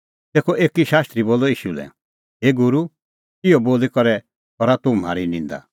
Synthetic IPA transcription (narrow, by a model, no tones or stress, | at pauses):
t̪eːkʰɔʔeːkiʃaːst̪ɾiboːlɔiːʃulɛ̰ | ɦeːɡʊɾu | ɪjɔboːlikɔɾɛ | ɔɾat̪ʊ̃m̤a̰ːɾinĩːnd̪a̰